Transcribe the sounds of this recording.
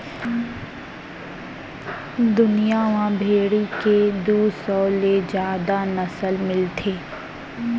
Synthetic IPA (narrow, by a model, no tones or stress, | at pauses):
d̪ʊnijaʋãbʱeːɽiked̪uːsɔːled͡ʒjaːd̪anəsəlmɪlt̪ʰeː